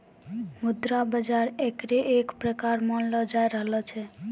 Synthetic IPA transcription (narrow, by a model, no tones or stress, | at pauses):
mud̪ɾabəd͡ʒaɾekɾeʔekpɾəkaɾmɔnlɔd͡ʒaeɾəɦlɔt͡ʃʰe